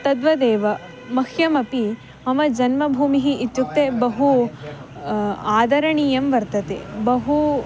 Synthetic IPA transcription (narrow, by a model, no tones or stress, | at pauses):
t̪ɐd̪ʋɐd̪eːʋɐ | mɐkʰjɐmɐpi | ɐmɐd͡ʒɐnmɐbʱuːmiɦiːt̪ːjuk̚t̪ebɐɦu | aːd̪ɐɾɐɳijɐmʋɐɾt̪ɐt̪ḛbɐɦu